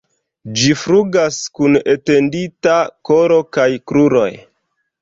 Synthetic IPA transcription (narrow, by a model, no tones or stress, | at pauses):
d͡ʒifɾuɡaskunete̞nditako̞ɾo̞kajkɾuɾo̞̰j